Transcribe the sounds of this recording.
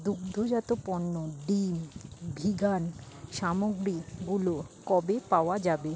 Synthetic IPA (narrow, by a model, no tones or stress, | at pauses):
d̪uɡd̪ʱod͡ʑat̪opɔnːoɖimbʱiɡan | ʃamoɡɾiɡulokɔbepaoad͡ʑabe